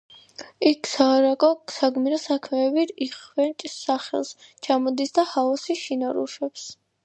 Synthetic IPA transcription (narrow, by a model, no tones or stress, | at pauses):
ikʰsaːɾakʼɔksaɡmiɾɔsakʰmɛːbiɾiχvɛnt͡ʃʼsaχɛ̰lˠst͡ʃʰamɔd̪isd̪ahaɔsiʃinaɾṵʃɛps